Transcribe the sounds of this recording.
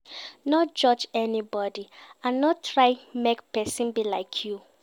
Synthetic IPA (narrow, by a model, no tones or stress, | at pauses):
nɔt̚d͡ʒɔd͡ʒɛnibɔdiãnːɔttʰɹaɪmekpɛsĩnbilaɪkʰju